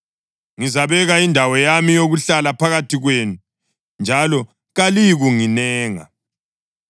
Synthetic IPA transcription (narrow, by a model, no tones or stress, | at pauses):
ŋizaβɛɣaindʱawɔjamijoɣuɬalapʰaɣatʰiɣweːnu | nd͡ʒʱalɔ | ɣaliɣuŋinɛːŋa̰